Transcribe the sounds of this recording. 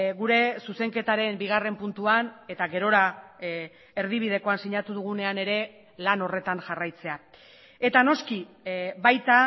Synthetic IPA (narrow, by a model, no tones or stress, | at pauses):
ɣuɾe̞suse̞ŋke̞t̪aɾe̞mbiɣ̞are̞mpunt̪uane̞t̪aɣe̞ɾo̞ɾa | e̞ɾðiβ̞ið̞e̞ko̞ansiɲat̪uð̞uɣ̞une̞ane̞ɾe̞ | lano̞re̞t̪anʝarajt͡se̞a | e̞t̪ano̞ski | βajt̪a